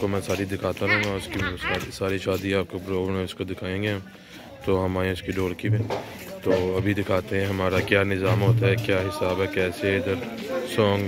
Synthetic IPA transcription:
komɛ̃ːsaːɾid̪ɪkʰaːt̪aɾɐɦũŋɡaʊskissaːɾiʃaːd̪ĩaːp̚kapɾoːbnɛ̃ʊskod̪ɪkʰaːẽːɡeɦɐ̃m | t̪oːɦɐmaːjẽʊskiɖoːɽkibẽ | t̪oːɐbʱid̪ɪkʰaːt̪eɦɛ̃ɦɐmaːɾakjaːnɪzaːmɦoːt̪̬aɦɛkjaːɦɪsaːbɦɛkɛːseɪd̪əɾsɔːŋɡ

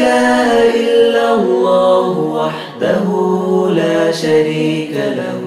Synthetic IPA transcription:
aːʔaʔɪlːalːaːhʊwaħ | d̪aɦulaːʃaɾiːkala̰h

